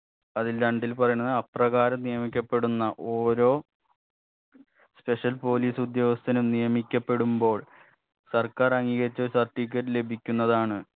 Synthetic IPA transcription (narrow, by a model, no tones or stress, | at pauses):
ɐðilɾɐɳɖilpɐrɐjunɐðɨɐprɐɣaːɾɐmnijɐmikʲːɐpːe̞ɽunːɐʔoːɾo̞ː | spe̞ʂɐlpo̞ːliːsud̪jɐːʋɐst̪ʰːɐnumnijɐmikʲːɐpːe̞ɽumbo̞ːɭ | sɐrkaːrɐŋːiːɣɐɾit͡ɕːoːɾusɐrʈːiːkʲːɐɾle̞bʱikʲːunːɐðaːɳɨ